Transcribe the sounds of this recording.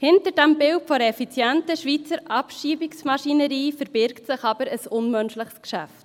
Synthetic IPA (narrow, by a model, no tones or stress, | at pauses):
hɪntəɾdæmbɪltfɔɾəɛfit͡sjæntəʃʋit͡səɾʔɑpʃiːbɪksmɑʃinəɾiːfəɾb̥ɪɾktsɪχɑbəɾəsʊnmœnʃlɪχskʃæ̰ft